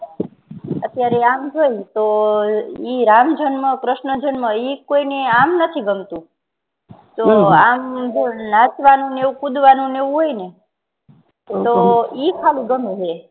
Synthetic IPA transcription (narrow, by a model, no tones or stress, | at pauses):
ət̪jaɾeamd͡ʒʱoit̪o | iɾamd͡ʒʱənməkɾəʃnəd͡ʒʱənməikoineamnət̪ʰiɡəmt̪ũ | t̪oamd͡ʒonat͡ʃʋanũneʋũkud̪ʋanũneʋũɦojne | t̪oikʰalĩɡəmiɦe